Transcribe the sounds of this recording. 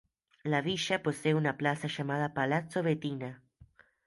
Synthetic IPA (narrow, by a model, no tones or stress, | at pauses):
laβiʃaposeunaplasaʃamað̞apalat͡soβet̪ina